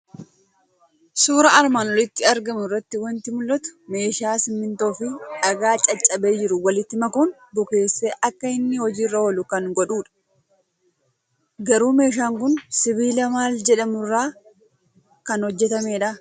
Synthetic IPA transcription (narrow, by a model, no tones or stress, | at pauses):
suːɾɐɐɾmaːnɔlɪt̪ːɪɐɾɡɐmʊrːɐt̪ːɪwɐnt̪ɪmʊlːɐt̪ʊ̥me̞ːʃaːsɪmːɪnt̪o̞ːfɪᶑɐɡaːt͡ʃʼɐt͡ʃʼːɐbe̞ːd͡ʒɪɾʊwɐlɪt̪ːɪmɐkʊn | bʊke̞ːsːeːʔɐkːɐɪnːɪhɔd͡ʒiːrːɐwɔlʊkɐŋɡɔᶑuːᶑɐ̥ | ɡɐɾuːme̞ːʃ̬aːŋkʊnsɪβiːlɐmaːld͡ʒɛᶑɐmʊrːaː | kɐnhɔd͡ʒːɛt̪ɐme̞ːᶑɐ